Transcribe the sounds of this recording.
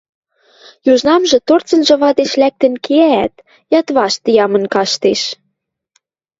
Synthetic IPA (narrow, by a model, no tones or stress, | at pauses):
juʒnɑmʒɤ̆t̪ort͡sə̆nʒɤ̆βɑd̪eʃlæk̚t̪ə̆nkeæːt̪ | jɑt̪βɑʃt̪ijɑmɤ̆nkɑʃt̪eʃ